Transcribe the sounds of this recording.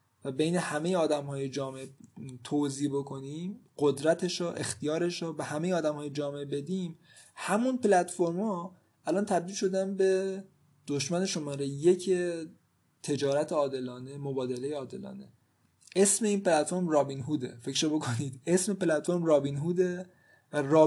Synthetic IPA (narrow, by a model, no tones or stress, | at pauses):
væbe̞jne̞hæme̞jeɒːd̪æmhɒːjed͡ʒɒːmeʔet̪ʰoziːbo̞kʰo̞niːmɢod̪ɾæt̪ʰeʃɔːʔe̞̰xt̪ʰijɒːɾe̞ʃɔːbehæme̞jeɒːd̪æmhɒːjed͡ʒɒːmeebe̞d̪iːm | hæmunpelæt̪foɾmhɒː | ʔælɒːnt̪ʰæb̚d̪iːlʃo̞d̪ænbe̞ | d̪̥oʃmæne̞ʃo̞mɒːɾejjecʰe | t̪ʰe̞d͡ʒɒːɾæt̪ʰeɒːd̪e̞lɒːne̞mobɒːd̪e̞lejeɒːd̪e̞̰lɒ̰ːne̞̰ | e̞sme̞iːnpelæt̪fo̞ɾmrɒːbinɦuːd̪ḛfecʃobo̞kʰo̞niːd̪̥e̞sme̞plæt̪foɾmrɒːbinɦuːd̪e | ɾɒː